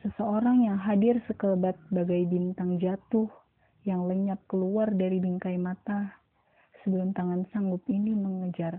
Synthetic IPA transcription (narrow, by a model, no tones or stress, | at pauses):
səsəoɾaŋjaŋɦadɪrsəkəbat̪̚baɡajbint̪aŋd͡ʒat̪ʊh | jaŋləɲap̚kəluardaɾibiŋkajmat̪a | səbəlʊmt̪aŋansaŋɡʊpiniməŋəd͡ʒar